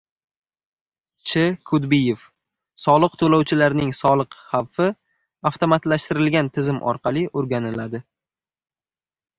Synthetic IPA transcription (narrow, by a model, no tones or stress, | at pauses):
t͡ʃʰɪkʰʊd̪bɪjef | sɒlˠɨq̚t̪ʰolawt͡ʃʰɪlaɾnɪŋsɒlˠɨqhawfɪ | aft̪omat̪laʃt̪ɪɾɪlɡʲant̪ʰɪzɪmʔɒ̰ɾqʰɑlˠiʔoɾɡʲanɪlad̪ɪ